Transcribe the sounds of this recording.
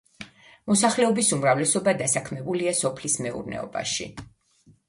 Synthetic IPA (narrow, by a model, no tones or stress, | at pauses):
mɔsaχlɛɔbisumɾavlɛsɔbad̪asakʰmɛbuliasɔpʰlismɛṵɾnɛ̰ɔ̰ba̰ʃḭ